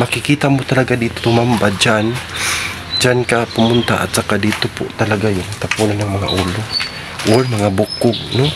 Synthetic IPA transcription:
mɐkɪkiːt̪amot̪ɐlaɡad̪iːt̪ot̪ʊmambad͡ʒan | d͡ʒankapʊmʊnt̪a̰ʔa̰t̪̚sakad̪iːt̪opʊʔt̪ɐlaɡajʊŋt̪apuːnanːaŋmɐŋa̰ʔuːlo | ʔoɹmɐŋabʊkʊɡ̚no

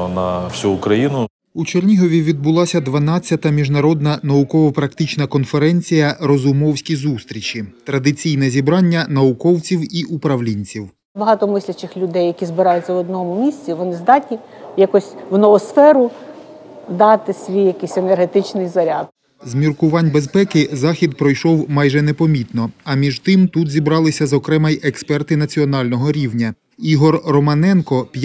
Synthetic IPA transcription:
nɐwsʲuːkɾɐjinʊ | ut͡ʃerʲnʲiɦɔʋʲiʋʲid̪̚bʊlˠɑsʲɐd̪ʋɐnɑt͡sʲjɐt̪ɐmʲiʒnɐɾɔd̪nɐnɐʊkɔʋɔpɾɐkt̪ɪt͡ʃnɐkɔnfeɾɛnʲt͡sʲijɐɾɔzʊmɔwsʲkʲizust̪ɾʲit͡ʃit̪ɾɐd̪ɪt͡sʲijnɛzʲibɾɑnʲːɐnɐʊkɔwt͡sʲiwiʔupɾɐwlʲinʲt͡sʲiw | bɐɦɑt̪ɔmɪsʲlʲɐt͡ʃɪxlʲʊd̪ɛjːɐkʲizbɪɾɑjʊtʲt͡sʲɐʋɔd̪nɔmʊmʲisʲt͡sʲiʋɔnɪzd̪ɑtʲnʲijɐkɔsʲʋnɔʋɔsfɛɾʊ | d̪ɑt̪ɪsʲʋʲijjɐkisʲenerɦet̪ɪt͡ʃnɪjzɐɾʲad̪̚ | zmʲirkʊʋɑnʲbespɛkɪzɑxʲid̪pɾɔjʃɔwmɑjʒɛnepɔmʲit̪nɔɐmʲiʒt̪ɪmt̪ut̪zʲibɾɑlˠɪsʲɐzɔkɾɛmɐjʔekspɛrt̪ɪnɐt͡sʲiɔnɑlʲnɔɦɔɾʲiwnʲɐ | iɦɔrːɔmɐnɛnkɔpʲj

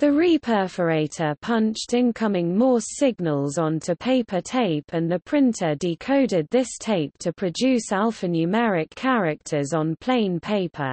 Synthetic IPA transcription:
ðəɹiːpʰɜˑfəɹeɪtʰəpʰʌ̃nt͡ʃtɪ̃nkʰʌmɪ̃ŋmɔːsɪɡnəlˠz̃ntʰəpʰeɪpʰətʰeɪpʰə̃nðəpʰɹ̥ɪ̃ntʰədɪkʰəʊdɪd̪̚ðɪstʰeɪp̚tʰəpʰɹ̥əd͡ʒʉˑsalˠfənjʉmɛɹɪkʰaɹɪk̚tʰəzn̩pʰl̥ẽɪ̃npʰeɪpʰə̰

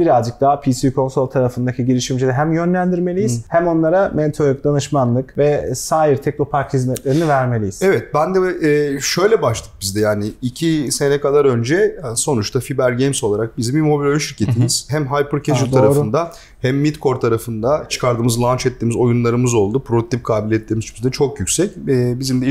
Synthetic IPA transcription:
b̥iɾazd͡ʒɯk̚d̪aːpʰisiikʰo̞nso̞lʲˠt̪ʰaɾafɯnd̪acʰiɟiɾiʃimd͡ʒilʲɛɦæmjø̞nlʲænd̪iɾme̞lʲijizhæmo̞nlˠaɾamet̪ʰøɾyk̚d̪anɯʃmanlˠɯkvɛsaːjiɾt̪ʰɛc̚no̞pʰaɾkhizmɛt̪lʲe̞ɾinivæɾme̞lʲijiz̥ɛvɛt̪̚bænd̪ɛːʃø̞jlʲɛbaʃt̪ʰɯ̥k̚bizd̪ɛjaːnɪːcʰise̞nɛkʰad̪ˠaɾø̞nd͡ʒɛso̞nut͡ʃt̪afibæɾɟejmso̞lˠaɾak̚bizimbimo̞bilʲo̞jynʃiɾcʰe̞t̪ʰimiz̥hæmɦajpɯɾcʰeʒult̪ʰaɾaɾfnd̪a | hæmːit̪kʰo̞ɾt̪ʰaɾafɯnd̪at͡ʃʰɯ̥kʰaɾd̪ɯːmɯzlˠant͡ʃɛt̪ːiːmizo̞junlˠaɾɯmɯzo̞lˠd̪upʰɾot̪ːip̚kʰaːbilʲɛt̪lʲemizt͡ʃʰymt̪yɛt͡ʃʰo̞kjycʲsɛcːbizimd̪ɛ

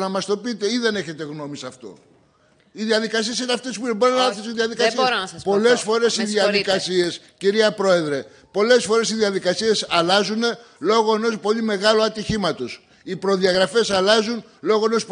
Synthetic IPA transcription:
nɐmɐst̪o̞pit̪e̞iðe̞ne̞çe̞t̪e̞ɣno̞misɐft̪o̞̰ | iðiɐðikɐsie̞sineɐft̪e̞spueboɾonɐɐfθis̬uiðiɐðikɐsinɐsɐspo̞le̞sfo̞ɾe̞siðiɐðikɐsie̞s | ciɾiɐpɾo̞e̞ðɾe̞ | po̞le̞sfo̞ɾe̞siðiɐðikɐsie̞sɐlɐzune̞ | lo̞ɣo̞e̞no̞spo̞ʎime̞ɣɐloɐt̪içimɐt̪o̞s | ipɾo̞ðiɐɣɾɐfe̞sɐlɐzun | lo̞ɣoe̞no̞sp

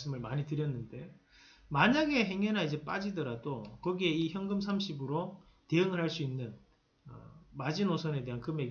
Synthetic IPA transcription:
s͈ɯmɯɭmaɲitɯɾjʌnːɯnde̞ | maɲaɡe̞ɦe̞ŋʌnaid͡ʑe̞p͈ad͡ʑidʌɾadokʌɡieiçjʌŋɡɯmsʰamɕʰibɯɾo | te̞ɯŋɯɭɾɦaɭs͈uinːɯn | ʌ̰mad͡ʑinosʰʌne̞de̞ɦankɯme̞ɡ

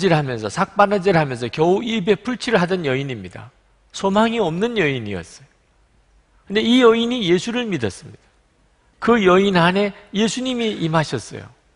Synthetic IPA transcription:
d͡ʑiɾɦamjʌnsʰʌsʰak̚p͈anɯd͡ʑiɾɦamjʌnsʰʌkjʌuʔibe̞pʰuɭt͡ɕʰiɭɦadʌnjʌiɲimɲida̰ | sʰomaŋiʌmnɯnjʌiɲḭʌ̰s͈ʌ̥jo | kɯnde̞ijʌiɲije̞sʰuɾɯɭmidʌs͈ɯmɲid̥ḁ | kɯjʌinane̞je̞sʰuɲimiimaɕʰʌs͈ʌ̰jo̰

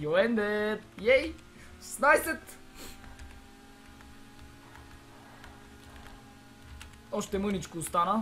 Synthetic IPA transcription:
joɛnd̪ɛt̪̚jɛj | snajsɛt̪ | ɔʃt̪ɛmɤnit͡ʃkust̪ana

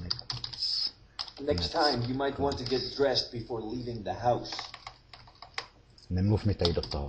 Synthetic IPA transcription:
nɛkstʰːãɪ̃mjɨmaɪt̚wɑ̃ntʰɨɡɛt̚dɹɛst̚b̥ɨfɔɹlivɪ̃ŋðɨɦaʊs | nemnusmit̪ːæidot̪ːɑh

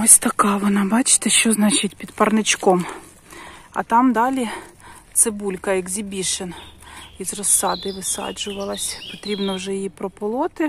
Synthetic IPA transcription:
ɔsʲt̪ɐkɑʋɔnɑbɑt͡ʃɪ̥t̪ɛʃt͡ʃɔznɑt͡ʃɪt̚ʲpʲid̪pɐrnɪt͡ʃkɔm | ɐ̰t̪ɑmd̪ɑlʲit̪sebulʲkɐjɐkzʲibʲiʃenizrɔsːɑd̪ɪʋɪsɑ̰d͡ʒʊʋɐlˠɐsʲpɔt̪ɾʲibnɔwʒɛjjipɾɔpɔlˠɔt̪ɪ

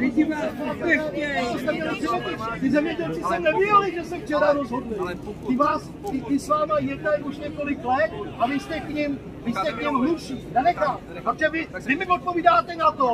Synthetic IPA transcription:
vɪc̪imsɛat̪ost̪ɛmɲɛlɪzɛmɲɛɟɛlt̪ɪzɛmɲɛɟɛlt͡sɪsɛnɛvɪɛlɪʒɛsɛft͡ʃɛɾaɾozɦodlɪlt̪ɪvaːs | t̪ɪvɪsvaːmajɛdnajuʃɲɛko̞lɪklɛt̪̚ʔavɪst̪ɛkɲim | vɪst̪ɛkɲimɦlupʃiːdalɛkaː | t̪akʒɛvɪvɪmɪʔot̪̚po̞viːdaːt̪ɛnat̪o

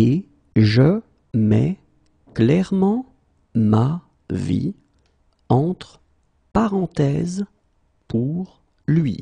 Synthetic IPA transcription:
e | ʒə | mɛ | klɛʁmɑ̃ | ma | vḭ | ɑ̃t̪χ | paʁɑ̃t̪ɛz | pʰuʁ | lɥḭ

